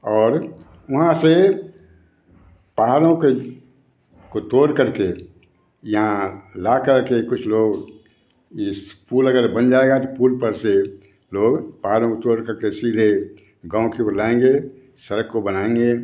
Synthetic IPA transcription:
ɔːɾ | ʋɐɦãse | paɦaɾõke | kot̪oːɾkəɾke | jɐɦãlakəɾkekʊt͡ʃʰloːɡ | espuːləɡəɾbənd͡ʒaːeɡat̪opuːɾpəɾse | loːɡpaɦaɾõkot̪oːɾkəɾkesiːd̪ʱe | ɡãːkepəlaẽŋɡe | səɾəkːobənaẽŋɡe

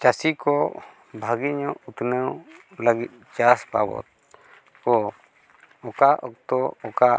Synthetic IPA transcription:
t͡ʃasikɔ | bʱaɡiɲɔut̪nəwləɡit̪̚t͡ʃaspabɔ̰t̪̚ | kɔ | ɔkaʔɔk̚t̪ɔɔka

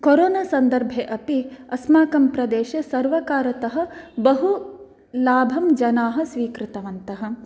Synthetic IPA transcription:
koɾoːnasɐnd̪ɐɾbʱeʔɐpiɐsmaːkɐmpɾɐd̪eːʃɐsɐɾʋɐkaːɾɐt̪ɐɦɐ̆bɐɦu | laːbʱɐmd͡ʒɐnaːɦɐ̆sʋiːkɾɪt̪ɐʋɐnt̪ɐɦɐ̆

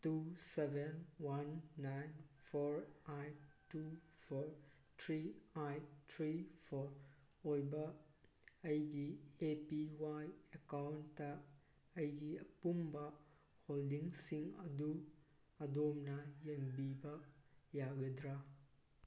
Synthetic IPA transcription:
tusebenwanːajnpʰoɾajtupʰoɾ | tʰɾiajtʰɾipʰoɾ | ojbɐː | jɡiepiwajekawntːɐː | jɡiɐpumbɐ | holdiŋsiŋɐ̰du | ɐdomnɐjɐŋbibɐjaɡɐdɾa

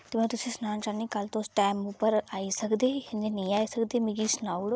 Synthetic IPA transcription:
t̪emɛ̃ːt̪ʊsĩsnaːnt͡ʃanĩːkəlt̪õːsʈɛːmupəɾaːisəkd̪eːɦɪ̃nd̪enĩːaːisəkd̪eːmĩɡisnaːuɽo

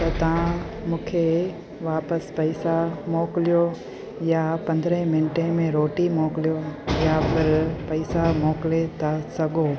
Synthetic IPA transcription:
t̪ɐt̪ɐʋ̤ãmũːkʰe | ʋaːpəspɐisamoːklijo | japɐ̃nd̪ɾə̃ɦmɪnʈẽmẽɾoːʈimoːklijojapʰɪɾpɐisamoːklet̪ʰasɐɡoː

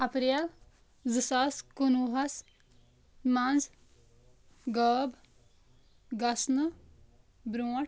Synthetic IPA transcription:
ɐpɾil | zɨsaskunuɦɐs | mɐ̃nz | ɡəːb | ɡɐsnə | bɾũː

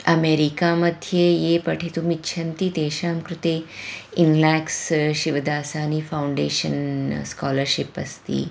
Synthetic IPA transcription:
ɐmeːɾikamɐd̪ʱjejeːpɐʈʰet̪umitːɕʰɐnt̪it̪eːʃaːmkɾut̪eːinlaːksʃiʋd̪aːsaːnifawɳɖeːʃə̰nskaːləɾʃipɐ̰st̪ḭː

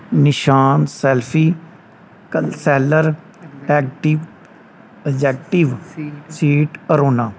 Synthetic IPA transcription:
nɪʃaːnsɛːlpʰiː | kəsɛːləɾ | ɛːk̚ʈiʋ | əd͡ʒɛːk̚ʈɪʋsiːʈkəɾoːnaː

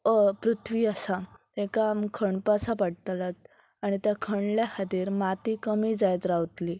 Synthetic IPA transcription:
əpɾut̪ʰʋiːasat̪ekamkʰəɳpasapaɽt̪lat̪̚ | aɽ̃it̪jãkʰəɳljahad̪iːɾmat̪ikəmiːd͡zajt̪ɾawt̪li

